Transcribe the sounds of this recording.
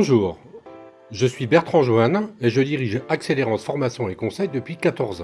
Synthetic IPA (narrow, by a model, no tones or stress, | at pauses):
bɔ̃ʒuːʁ | ʒəsɥibɛʁt̪χɑ̃ʒwaneʒəd̪iʁiʒakseleʁɑ̃sfɔʁmasjɔ̃ekɔ̃sɛjd̪əpɥikat̪ɔʁzɑ̃